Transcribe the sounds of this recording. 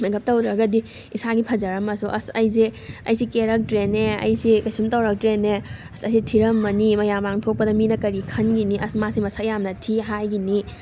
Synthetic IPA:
mɐɡɐp̚tɐwdɾɐɡɐdi | isaɡipʰɐzɐɾɐmɐsuʔɐ̰sɐjzeɐ̰jsikeɾɐk̚tɾeneɐ̰jsikɐsumtɐwɾɐk̚tɾeneɐsɐsitʰiɾɐmːɐnimɐjamaŋtʰok̚pɐdɐminɐkɐɾikʰɐnɡiniʔɐsmasimɐsajamnɐtʰiɦajɡini

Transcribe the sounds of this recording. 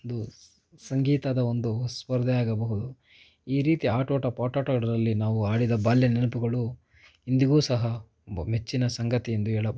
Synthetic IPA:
nd̪u | sɐŋɡiːt̪ɐd̪ɐond̪uspɐɾd̪ʱɐjaːɡɐbɐɦud̪u | iːɾiːt̪iaːʈoːʈɐpaːʈaːʈɐɡɐɽɐɾɐlːinaːʋuaːɽid̪ɐbaːljɐnɛnupuɡɐɭu | ind̪iɡuːsɐɦɐ | ɐmet͡ʃːinɐsɐŋɡɐt̪ijend̪uɛɭɐ

